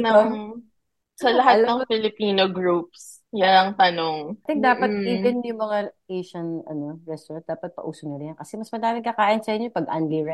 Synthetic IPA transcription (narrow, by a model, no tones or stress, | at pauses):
nɐo | sɐlɐɦat̪lɐŋfɪlɪpiːnoɡɹup̚s | jaɐŋt̪ɐnoŋat̪ɛ̃ŋk̚d̪aːpɐt̪̚iːb̪ɪnjʊŋmɐŋaʔeʃɐnɐ̰no̞ɹɛst̪ɔɾɐnt̪̚d̪aːpɐt̪̚pɐ̰ʔuːsonoɾɪnkɐsɛmɐsmɐd̪aːmɪŋkɐkaːʔɪnsɐʔɪɲːopɐɡʔa̰nliɹɛ